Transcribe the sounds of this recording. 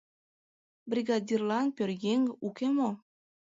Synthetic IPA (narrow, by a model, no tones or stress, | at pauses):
brʲiɡɑd̪ʲirlɑnpʲørjeŋukemo